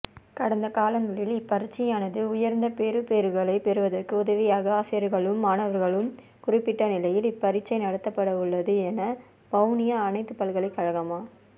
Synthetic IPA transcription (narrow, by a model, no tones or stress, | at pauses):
kɐɽɐnd̪ɐkaːlɐŋɡɐɭɪlɪpːɐɾɪt͡ʃːɐjaːnɐðɯʊjɐɾnd̪ɐpeːɾɯpeːɾɯɣɐɭɐɪpɛɾɯʋɐðɐrkɯʊðɐʋɪjaːɣɐaːsɐjɐɾɣɐɭɯmːaːɳɐʋɐɾɣɐɭɯm | kʊrɪpːɪʈːɐnɪlɐjɪlɪpːɐɾɪt͡ʃːɐɪnɐɽɐt̪ːɐpːɐɽɐɯɭːɐðɯɛnɐ | b̥ɐʋnɪjɐːnɐɪt̪ːɯpːɐlɣɐɭɐɪkːɐɻɐɣɐmaː